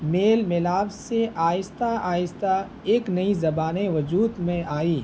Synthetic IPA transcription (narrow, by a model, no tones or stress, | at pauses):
meːlmɪlaːʋseaːjɪst̪aaːɪst̪a | eːknɐizɐbaːneʋɐd͡ʒuːd̪mẽaːiː